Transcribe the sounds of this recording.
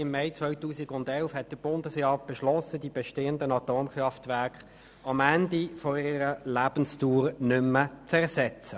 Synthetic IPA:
ɪmːɛɪt͡svʋœʏtuːsiɡʊndɛlfhɛt̚d̥əb̥ʊndəsjɑːb̥ɛʃlɔsəd̥ib̥ɛʃteːəndənɑtoːmχɾɑftʋæʁkχ | ɑmændifoɪɾəlæːb̥ənstuːɾnʏmːət͡sɛʁsɛt͡sə

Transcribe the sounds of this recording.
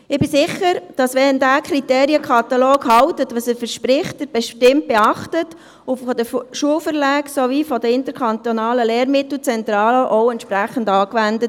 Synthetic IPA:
ɪbɪsɪχəɾd̥ɑsʋɛndækʰɾiteːɾiəkʰχɑt̪ɑloːkhɑwtətʋəsəfəɾʃpɾɪχt̚əɾb̥ɛʃtɪmt̚b̥eɑχtət | ʊfɔdəʃuəwfəɾlæːksovifɔdəɪnt̪əɾkʰɑnt̪onɑːləleːɾmɪt̪l̩ˠt͡sɛnt̪ɾɑːləʔɔwɛntʃpɾæχəndɑːkʋændət

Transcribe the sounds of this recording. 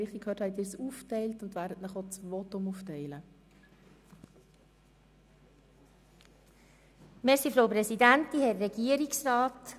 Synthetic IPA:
iχikʰhœːthɛɪtɪːsuːftɛɪltʊndʋæːɾdətnəχɔt͡svɔtʊmuːftɛɪlə | mɛsifɾoʊpɾɛsidæntihɛːɛɡiːəɾiksraːt

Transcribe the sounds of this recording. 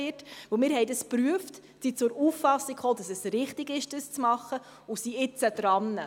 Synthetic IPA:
ɪtvɵlmɪːɾhɦɛɪdəspɾyəft | sit͡sʊɾuːfːɑsːikχoːdɑsɛsɾɪχtɪɡɪʃd̥əst͡smɑχːə | usiɪt͡səd̥ɾɑnːə

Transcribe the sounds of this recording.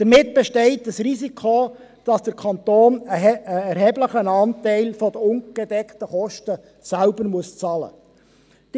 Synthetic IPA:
d̥əɾmɪtb̥ɛʃtɛɪtəsrizikʰo | d̥ɑsd̥əɾkʰɑnt̪oːnəəɛɾɦɛːbləχənɑːntɛɪlfɔdəʊnɡ̥ɛdɛktəχɔʃtə | sælbəɾmuəst͡sɑːlə̰ | d̥

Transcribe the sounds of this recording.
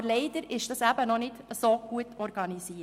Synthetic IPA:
bleɪd̪əɾɪʃd̥ɑsæbənɔnɪtəsoːɡ̥uətʰɔɾɡɑnisiː

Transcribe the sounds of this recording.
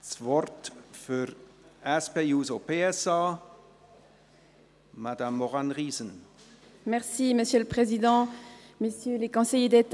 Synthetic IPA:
svɔʁt̪fyʁɛspeuzopeɛsa | mad̪amːɔʁanʁiːzən | mɛʁsiməsjøləpχezid̪ɑ̃mesjølekɔ̃sejed̪et̪

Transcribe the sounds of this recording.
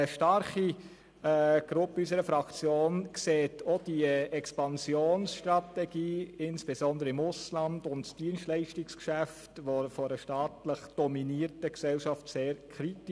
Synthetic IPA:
əʃtɑɾχi | ɡ̥ɾʊpysəɾəfɾɑkt͡sjoːnkseːtʰod̥iəɛkspɑnsjoːnsʃtɾɑtɛɡ̥iːɪnsb̥esɔndəɾəɪmʊslɑndʊntsd̥iənstlɛɪʃtɪkskʃæftʋofɔɾəʃtɑːtləχd̥ɔminiəɾtəksɛlʃɑftseːɾkʰɾit

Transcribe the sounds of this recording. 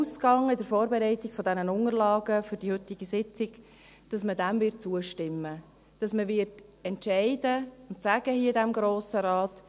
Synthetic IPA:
uːskɑŋɪdəɾfoːɾbɛɾɛɪtɪɡ̥fɔdɛnənʊŋərlɑːɡəfʏɾdihɵt̪ɪɡ̥isɪt͡sɪɡ̥ | d̥ɑsmədæmvɪt̚t͡suəʃtɪmːə | d̥ɑsməʋɪrtɛntʃɛɪdəʊntsæɡ̥əhiːədæmɡɾoːsəɾɑːt

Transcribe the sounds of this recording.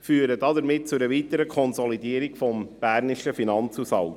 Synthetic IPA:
fyːəɾədɑdəɾmɪt̚t͡sʊɾəʋitəɾəkʰɔnzɔlidiːəɾikfɔmb̥æːɾnɪʃəfinɑnt͡susɑ̰lt

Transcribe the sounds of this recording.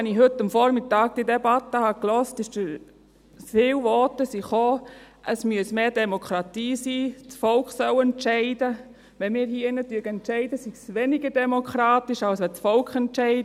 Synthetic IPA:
ɛnɪɦɵtːəmfɔɾmɪtɑːɡ̚d̥iədebatːəhɑklɔstɪʃd̥əɾ | fɪːwvɔːtəsiχoː | ʔəsmyəsmeːdɛmokʰɾɑtiːsiːt͡sfɔlkχsœwɛntʃɛɪdə | ʋɛnmɪːɾhiəɪnətyːɡəɛntt͡ʃɛɪdəsiɡsʋenɪɡəɾdɛmokχɾɑːtɪʃawsʋɛt͡sfɔlkχɛntʃɛɪd

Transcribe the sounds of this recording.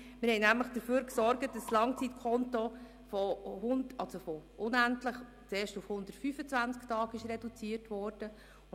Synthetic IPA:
mɪɾhɛɪnæmləχd̥əɾføːɾksɔɾɡət̚d̥ɑslɑŋt͡sitkʰɔntɔ | fɔhʊndɑlsofɔʔʊnæntləχ | t͡seːʃtufhʊnd̪ətfyːfət͡svænt͡sktɑːɡɪʃɾedut͡siːəɾtʋɔɾd̥ə

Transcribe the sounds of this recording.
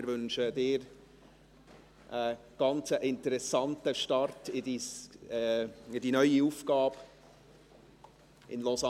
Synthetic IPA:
ɪɾvʏnʃədɪːɾ | ʔəɡ̥ɑnt͡səʔɪntəɾɛsɑntəʃtɑɾtɪdi | ɪdinœʏiuːfɡ̥ɑːb | ʔɪ̰nlɔza

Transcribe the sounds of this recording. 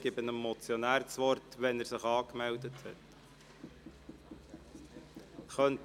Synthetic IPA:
ɡ̥ɪbənəmːɔt͡sjɔnæːɾt͡sʋɔɾtʋɛnæɾsɪχɑːkmɛldəthɛ̰t | χœnt

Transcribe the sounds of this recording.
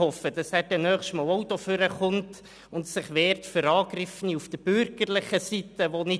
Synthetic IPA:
hɔfəd̥ɑsæːɾdɛnœːχstmɑːɔwt̪oføɾəχʊnt | ʊntsɪχʋeːɾtføɾɑːɡrɪfəniufd̥əb̥ʏrɡ̥ərlɪχəsit̪əʋonɪ

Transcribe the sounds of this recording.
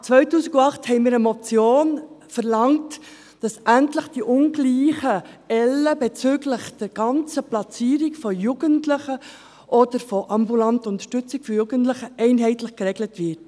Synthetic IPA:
t͡sʋœʏtuːsiɡɑχthɛɪmiːɾəmɔt͡sjoːnfəɾlɑŋt | d̥ɑsʔæntləχd̥iʔʊnɡliːχəɛlːəbɛt͡sʏːɡləχd̥ɛɾɡ̥ɑnt͡səplɑt͡siːɾikfɔjuɡ̥əntləχə | ʔɔd̥əɾfɔʔɑmbulɑntəʊnt̪ə̥ʃtʏt͡sikfɔjuːɡəntləχəɛɪnɦɛɪtləχkrɛɡlətʋɪt

